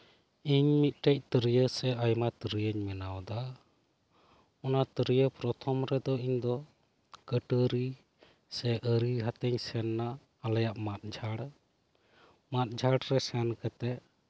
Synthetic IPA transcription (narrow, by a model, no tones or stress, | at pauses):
iɲmit̪̚ˀʈɛc̚t̪əɾijəsɛʔajmat̪əɾəjəɲmɛnawd̪a | ɔnat̪əɾijəpɾɔt̪ʰɔmɾɛd̪ɔiɲd̪ɔ | kəʈəɾi | sɛʔəɾiɦat̪ɛɲsɛnːaː | lajaʔmat̪̚d͡ʒʱaɽ | mat̪̚d͡ʒʱaɽɾɛsɛnkət̪ɛ